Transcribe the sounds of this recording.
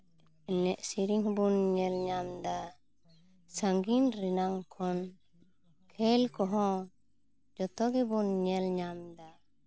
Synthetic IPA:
ɛnɛʔsiɾiŋbunɲɛlɲamd̪a | səŋɡinɾɛnaŋkʰɔn | kʰɛlkɔɦɔ̃ | d͡ʒɔt̪ɔɡɛbunɲɛlɲamd̪a

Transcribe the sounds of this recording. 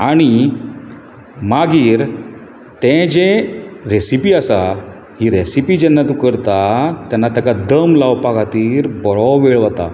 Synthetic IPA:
aɽ̃i | maɡiːɾ | t̪ɛ̃d͡ʑeɾesipiːəsa | ɦiːɾesipiːd͡ʑɛnːat̪ũkəɾt̪at̪janːat̪əkad̪əmlaʋpakat̪iːɾbɔɭɔwʋeɭʋət̪a̰

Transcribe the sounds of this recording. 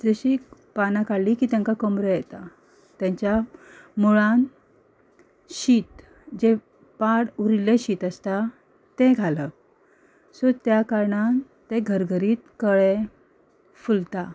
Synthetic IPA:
d͡zəɕi | panakaɽlikiːt̪jãŋkakəmɾəjet̪a | t̪jãɲt͡ɕjamuɭan | ɕiːt̪ | d͡ʑe | paɽuɾileɕiːt̪əst̪a | t̪eɡʱalə | sot̪jakaɾɳan | t̪eɡʱəɾɡʱəɾiːt̪kəɭe | fult̪a

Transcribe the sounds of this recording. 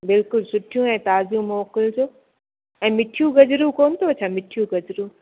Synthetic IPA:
bɪlkʊlsʊʈʰijũɛ̃ːt̪aːzijũmoːkɪld͡ʑoː | ɛ̃ːmɪʈʰjũɡɐd͡ʑɾukoːnɪ̆t̪ʰoɐt͡ɕʰamɪʈʰijũɡɐd͡ʑɾu

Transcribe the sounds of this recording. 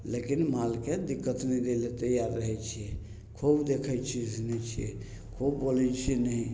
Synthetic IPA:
lekinmalked̪ikːət̪nɛd̪elet̪əjaɾːəɦɛt͡ʃʰiɛ | kʰobd̪ekʰət͡ʃʰid͡ʒnɛt͡ʃʰiɛ | kʰobbolɛt͡ʃʰinəɦi

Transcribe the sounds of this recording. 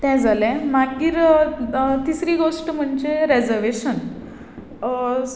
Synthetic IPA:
t̪ɛ̃d͡zʱalɛ̃makːiːɾ | t̪isɾiːɡoʂʈəm̤əɳd͡ʑeɾed͡zəɾʋeɕən

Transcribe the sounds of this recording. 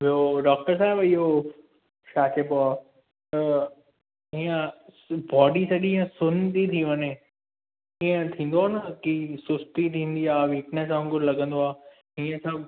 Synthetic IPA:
ʋioɖɔːk̚ʈəɾs̬aːbiɦo | ʃaːkepoaː | t̪ɐ | iːə̃ | bɔːɖisɐɠiə̃sʊnt̪it̪ʰiʋɐne | ĩːə̃t̪ʰĩːn̆d̪oaːnɐkisʊst̪it̪ʰĩːn̆d̪iaːʋiːknɛsãʊ̃ŋɡʊɾlɐɡə̃nd̪oaː | ɦiːə̃sɐb

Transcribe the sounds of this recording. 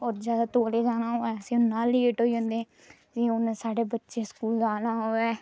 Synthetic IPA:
ɔːɾd͡ʒjaːd̪aːt̪oːleːd͡ʒaːnaːɦoːɛːəsĩːʊnːãːleːʈɦoːiːɦõnd̪eː | d͡ʒiːʊnsaːɖeːbətːʃeːskuːld͡ʒaːnaːɦoːɛː

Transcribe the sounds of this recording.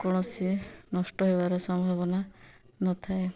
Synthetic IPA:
kɔɽ̃ɔsinɔsʈɔɦebaɾɔsɔmbʱabɔna | nɔt̪ʰae

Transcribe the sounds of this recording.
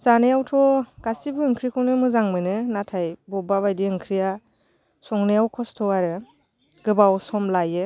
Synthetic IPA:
z̥anejawtʰɔɡ̥asibɯːŋkʰɾikʰɔwnɯmɯzaŋmɯnɯnatʰajbɔbaβajdiɯŋkʰɾija | sɔŋnejawkʰɔstʰɔaɾɯ | ɡ̥ɯbawsɔmlajɯ

